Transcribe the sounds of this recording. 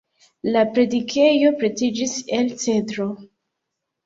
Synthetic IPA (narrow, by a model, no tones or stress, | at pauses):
lapɾe̞dikʰe̞jo̞pɾe̞tid͡ʒiselt͡se̞dɾo̞